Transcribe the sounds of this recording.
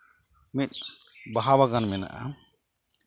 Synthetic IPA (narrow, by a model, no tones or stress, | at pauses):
mit̪̚ˀ | baɦabaɡanmɛna̰ʔa̰